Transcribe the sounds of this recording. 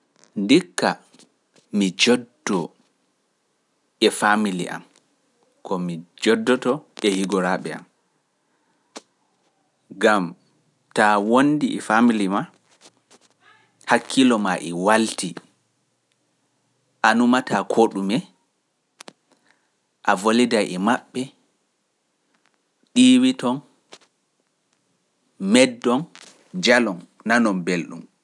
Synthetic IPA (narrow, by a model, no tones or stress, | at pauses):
ndikːa | mid͡ʒɔdːɔ | ɛfamilḭʔa̰m | kɔmid͡ʒɔdːɔtɔɛhiɡɔɾaɓɛa̰m | ɡam | tawondiʔɛfamilima | hakʰːilɔmaʔɛwalti | ʔanumatakʰoɗumɛ | ʔavolidajʔɛmaɓːɛ | ɗiːwitɔn | mɛdːɔn | d͡ʒalɔnːanɔmbelɗṵm